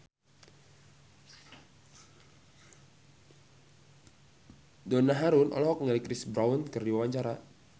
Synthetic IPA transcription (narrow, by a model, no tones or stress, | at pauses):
dɔnaɦaɾunʔɔ̰lɔɦɔk̚ŋəlikɾɪsbɾawunkɨrdiwawaɲt͡ʃaɾa